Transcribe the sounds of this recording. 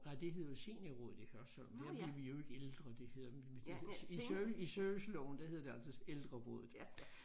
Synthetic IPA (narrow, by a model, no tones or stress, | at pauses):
nɑɪd̥e̝ɦe̝ð̰ˠse̝̰ːnɐʁɔ̰ːð̞̩ˠihɶɐsɒl̰mnd̥æb̥leʋijo̝e̝ɡ̥eld̥ʁɐd̥e̝he̝ð̰ˠɐ̥ | iøisøʋəslɒʊn̩d̥æheðˠɐd̥e̝æl̰sɒeld̥ʁɐʁɔ̰ːð̩ˠ